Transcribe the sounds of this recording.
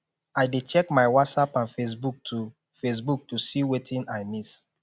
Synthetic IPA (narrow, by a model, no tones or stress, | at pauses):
aɪdet͡ʃɛkmaɪwɔtsapãnfes̬buk̚tʰu | fes̬buk̚tusiwetʰĩnaɪmis